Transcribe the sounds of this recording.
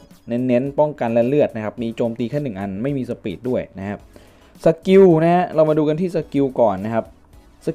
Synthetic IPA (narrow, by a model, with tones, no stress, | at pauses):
ne˦˥nːe˦˥npɔ˥˩ŋka˧nlɛ˦˥lɯ˥˩ət̪̚na˦˥kʰa˦˥p̚miː˧t͡ɕoː˧mt̪iː˧kʰɛː˥˩nɯ˨˩ŋʔa˧nma˥˩jmiː˧sa˧pḭː˨˩t̪̚du˥˩əjna˦˥kʰa˦˥p̚ | sa˧˩ki˧wna˦˥ha˦˥ɾa˧wmaː˧duː˧ka˧nt̪ʰiː˥˩sa˧˩ki˧wkɔː˨˩nːa˦˥kʰa˦˥p̚ | sa˧˩